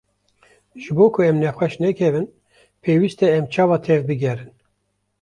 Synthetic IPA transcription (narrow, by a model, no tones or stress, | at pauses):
ʒɨboːkʰʊɛmnɛxʷɛʃnɛkʰɛvɨn | pʰeːwiːst̪ɛɛmt͡ʃʰɑːvɑːt̪ʰɛvbɨɡʲɛɾɨn